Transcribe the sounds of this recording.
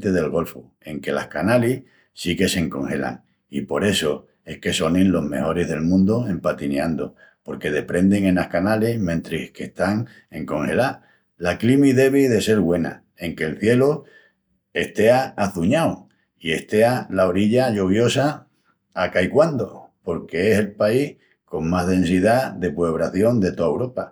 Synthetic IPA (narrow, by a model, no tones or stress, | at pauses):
t̪e̞ð̞e̞lɣo̞lfu | e̞ŋke̞la̰hkanalih | sike̞se̞ŋko̞ŋhe̞la̰ŋ | ipo̞ɾe̞so̞ | e̞hke̞so̞nẽnlo̞ɦme̞̰ho̞ɾe̞ɦðe̞lmũnd̪oe̞mpat̪ineand̪o | po̞ɾke̞ðe̞pɾe̞nd̪e̞ŋe̞nahkanalehmẽnt̪ɾeke̞ht̪aŋ | e̞ŋko̞ŋhe̞̰la | laklimiðe̞βiðe̞se̞ɾɣwe̞na̰ | e̞ŋke̞lθje̞lo | e̞ht̪e̞aːθuɲaw | ie̞ht̪e̞alaoɾiʎaʎoβ̞jo̞saː | kaikwand̪opo̞ɾke̞ese̞lpaih | ko̞ŋmaɦðẽ̞nsiðaðe̞pweβɾaθjo̞nd̪e̞t̪oaewɾo̞pa